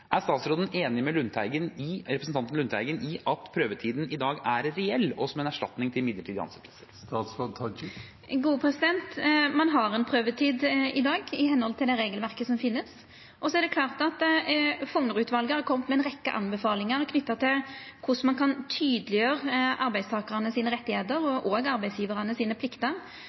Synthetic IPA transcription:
ʔæɾst̪ɑːt̪sɾoːd̪ən̩eːnɪmɛlʉnt̪ʰæɪɡənɪɾɛpɾsn̩t̪ɑnt̪ən̩ʉnt̪ʰæɪɡənʔɪɑt̪pʰɾøːʋəʈʰiːd̪n̩ɪd̪ɑːɡæɾɾɛɛlːɔsɔmɛnæʂʈɑt̪nɪŋt̪ʰɪlmɪd̪əʈʰiːd̪əɑ̰nsɛt̪lsəɾst̪ɑːt̪sɾot̪ʰɑ | ɡuːəpʰɾɛsɪd̪ɛnt̪mɑnɦɑɾɛnpʰɾøːʋət̪ʰiːd̪ɪd̪ɑːɡɪɦɛnhɔlt̪ʰɪld̪ɛɾeːɡəlʋæʁkəsɔmfɪnːəs | ʔɔsɔæɾd̪ɛkʰlɑːʁt̪ɑt̪fɔŋəɾʉːt̪ʋɑlɡəhɑɾkʰɔmt̪mɛɛnʁɛkːə̰ʔɑ̰nbəfɑːlɪŋəɾɔkʰnʏt̪ːɑt̪ʰɪlkʰʊsmɑnkʰɑnt̪ʰyːd̪əlɪjøːʁəʔɑɾbæɪst̪ʰɑːkɑʁənəsiːnəʁɛt̪ːɪheːt̪əɾɔʔɔːɡɑɾbæɪsjiːʋəʁɑnəsiːnəpʰlɪkt̪əɾ

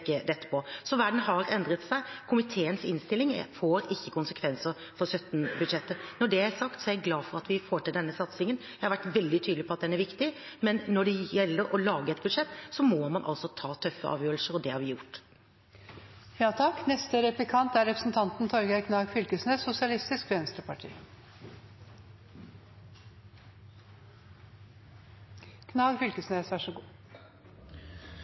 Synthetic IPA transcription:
kːəd̪ɛt̪ːə̥pʰɔsɔʋæɖɳ̩n̩ɦɑɾɛnd̪ɾət̪sæɪkʰʊmɪt̪ʰeːənsɪnst̪ɪlːɪŋfoːɾɪçːəkʊnsəkʰʋɛnsəɾ | fɔɾsœt̪nbʉd̪ʂɛt̪ːənɔɖɛæsɑkt̪sɔjæɡlɑːfɔɾɑt̪ʋɪfoːʈɪld̪ɛnːəsɑt̪sɪŋənjæhɑɾʋæʈːʋɛld̪ɪt̪ʰyːd̪lɪpɔɑt̪̚d̪ɛnːæɾʋɪkt̪ɪmɛnːɔɖɛjɛlːəɾɔlɑːɡəɛt̪bʉd̪ʂɛt̪ːsɔmɔmɑnʔɑ̰lsɔt̪ʰɑːt̪ʰœfːə̰ʔɑ̰ːʋjøːɾlsəɾɔd̪ɛhɑɾʋɪjʊʈː | jɑːt̪ʰɑkːnɛst̪əɾɛplɪkʰɑnt̪æɾɛpɾəsn̩t̪ʰɑnt̪n̩t̪ʰɔɾɡæɪkʰnɑːɡfʏlkəsnəsʊsɪɑlɪst̪ɪskʋɛnst̪əpʰɑʈʰḭː | kʰnɑːɡfʏlkəsnesʋæʂəɡuː

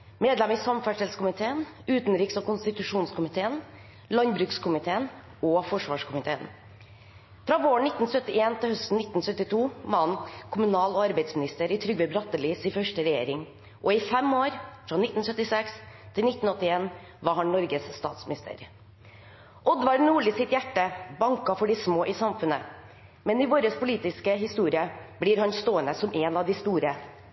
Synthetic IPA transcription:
meːd̪lɛmisɑmfæʂɛlskʊmɪt̪ʰeːənʉːt̪nɾiːksɔːkʰʊnst̪ɪt̪ʉʂuːnskʊmɪt̪ʰeːən | lɑnbɾʉːkskʰʊmɪt̪ʰeːən | ɔfɔʂʋɑːʂkʊmɪt̪ʰeːən | fɾɑːʋoːəɳnɪt̪n̩sœt̪ːɪeːnt̪ʰɪlhœst̪n̩ɪt̪n̩sœt̪ːɪt̪ʰuːmɑnkʰʊmʉnɑːloːɑɾbæɪd̪smɪnɪst̪əɾɪt̪ʰɾʏɡʋəbɾɑt̪ːəliːsɪːfœʂʈəɾɛjḛːɾɪŋ | ʔɔɪfɛmoːɾfɾɑnɪt̪n̩sœt̪ːɪsɛks | t̪ʰɪlnɪt̪n̩ɔt̪ːɪeːn | ʋɑɾhɑnnɔɾɡəsst̪ɑ̰ːt̪smɪnɪst̪ʰə̰ɾ | ʔɔd̪ʋɑɾnuːɭisɪt̪jæʈːəbɑŋkɑfɔɖɪsmoːʔɪsɑmfʉnə | mɛnɪʋoːɾəspʊliːt̪ɪskəɦɪst̪uːɾɪəbliːɾhɑnst̪oːənəsɔmʔeːnɑʋd̪ɪst̪uːɾə

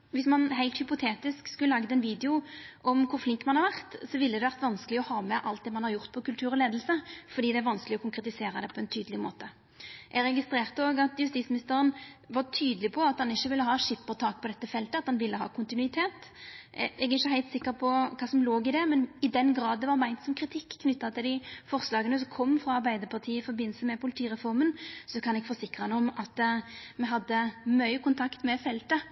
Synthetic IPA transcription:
ʋɪsmɑnɦæɪlt̪hʏpʊt̪ʰeːt̪ɪskskʉləlɑɡd̪əɛnʋiːd̪ɛʊʔɔmkʰʊɾflɪŋkmɑnhɑɾʋæʁt̪sɔʋɪlːəd̪ɛʋæʁt̪ʋɑnskəlɪɔhɑːmɛʔɑlt̪̚d̪ɛːmɑnhɑɾjʊʁt̪̚pʰɔkʉlt̪ʰʉːɾɔleːd̪l̩səfɔɾd̪iːd̪ɛæɾʋɑnskəlɪɔkʰʊŋkɾɛt̪ɪseːɾɑd̪ɛpʰɔɛnt̪ʰyːd̪lɪmo̰ːt̪ə | ʔɛɾɛɡɪst̪ɾeːʁt̪əoːɡɑt̪jʉst̪iːsmɪnɪst̪əɾənʋɑʁt̪ʰyːd̪əlɪpʰɔɑt̪hɑnɪçːəʋɪlːəɦɑːʂɪpːəʁt̪ʰɑːk̚pʰɔd̪ɛt̪ːəfɛlt̪əɑt̪hɑnʋɪlːəɦɑ̰ːkʰʊnt̪ɪnʉɪt̪ʰeːt̪ | ɛɡɪçːəɦæɪlt̪sɪkːəpʰɔkʰɑːsɔmloːɡɪd̪ɛmɛnɪd̪ɛnɡɾɑːd̪d̪ɛʋɑʁmæɪnt̪sɔmkʰɾɪt̪ʰɪkʰːnʏt̪ːɑt̪ʰəd̪ɪfɔʁslɑːɡənəs̬ɔkʰɔmːfʁɑɑɾbæɪd̪əɾpʰɑt̪ʰiːəɪfɔɾbɪnːl̩səmɛpʊlɪt̪ʰiːɾɛfɔɾmənsɔkʰɑnɛɡfɔsɪkːɾəhɛnəɔmɑt̪mɛɦɑd̪ːəmœʏkʰʊnt̪ʰɑkt̪mɛfɛlt̪ə

